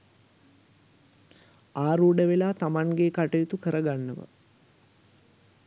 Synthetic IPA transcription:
aːɾuːɖəʋelaːt̪amaŋɡekaʈəjit̪ukəɾəɡanːəʋə̰

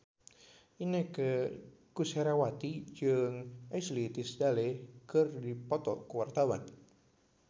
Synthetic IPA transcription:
ʔinekə | kusɛɾawat̪id͡ʒɨŋɛslit̪isdalekɨrdipɔt̪ɔ̰kuwart̪awan

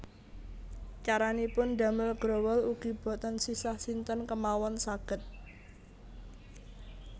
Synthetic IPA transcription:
t͡ʃaɾanipʊnd̪a̤məlɡ̥ɾowəluɡ̥i̤b̥ɔ̤t̪ɔnsisahsint̪ənkəmawɔnsaɡ̥ə̤t̪̚

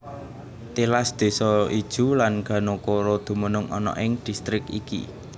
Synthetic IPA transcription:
t̪ilasd̪̥e̤sɔid̥ʒ̥ṳlanɡ̥ä̤nokoɾod̪̥ṳmənʊŋʔɔ̰nɔ̰ʔɪŋd̪̥i̤st̪ɾɪkḭkḭ

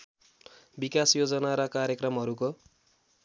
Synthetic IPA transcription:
bikasjod͡zʌnaɾʌkaɾjʌkrʌmɦʌɾuko

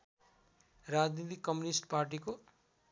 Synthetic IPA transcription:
rad͡znit̪ikːʌmjunisʈparʈ̬iko

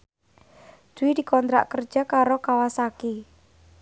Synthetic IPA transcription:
d̪̥uwid̪̥i̤kɔnt̪ɾa̰ʔkər̥ʒ̥a̤kaɾokawasaki

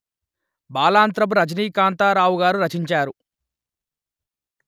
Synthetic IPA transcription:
baːlaːnt̪ɾɐp̬uɾɐd͡ʒniːkaːnt̪aːɾaːwuɡaːɾuɾɐt͡ʃiɲt͡ʃaːɾu

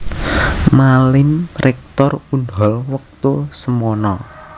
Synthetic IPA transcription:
malɪmrʔɛk̚t̪ɔrund̪ɔ̤lwək̚t̪usəmɔnɔ

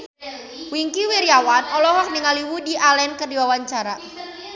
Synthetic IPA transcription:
wiŋkiwiɾijawanɔlɔɦɔk̚niŋaliwudiʔalɛnkərdiwawaɲt͡ʃaɾa

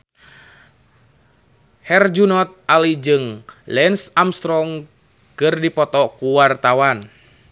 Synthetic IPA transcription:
hɛrd͡ʒunɔt̪̚alid͡ʒɨŋlɛnsamst̪ɾɔŋ | kɨrdipɔt̪ɔkuwart̪awan

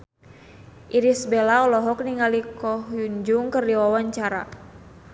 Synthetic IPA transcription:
ʔiɾisbɛlaɔlɔɦɔk̚niŋalikɔhjuɲd͡ʒuŋkɨrdiwawaɲt͡ʃaɾa̰

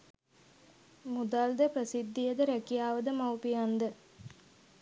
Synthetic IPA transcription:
mud̪ald̪əpɾəsid̪ːijəd̪əɾækijaːʋəd̪əmawpijand̪ə

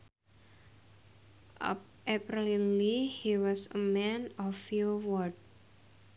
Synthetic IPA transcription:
ʔa̰p̚ | ʔepɾilinlihiwɔsəmɛ̃nɔfiwɔd̚

